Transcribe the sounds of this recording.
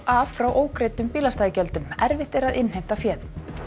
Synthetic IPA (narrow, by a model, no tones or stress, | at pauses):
affɾawʔoːwkɾeːjt̪ʏmpiːlast̪aːjɪcœl̪t̪ʏmɛɾvɪht̪ɛɾaðɪnhejm̥t̪afjɛːð